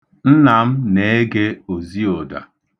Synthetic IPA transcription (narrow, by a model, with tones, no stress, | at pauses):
n̩˦na˨m̩˦ne˨˦e˦ɡe˦o˨zi˦o˨da̰˨